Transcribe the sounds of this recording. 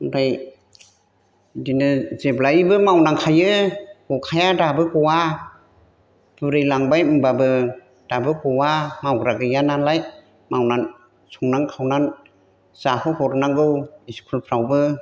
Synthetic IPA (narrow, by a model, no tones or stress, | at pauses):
ŋdaj | dinɯzeblaibɯmawnaŋkʰajɯhɔkʰajadabɯkɔwa | b̥ɯɾɯjlaŋbajmbabɯ | d̥abɯkɔwamawɡɾaɡɯjanalaj | mawnan | sɔŋnaŋkʰawnan | z̥ahɯhɔɾnaŋɡɯwiskʰulpʰɾawbɯ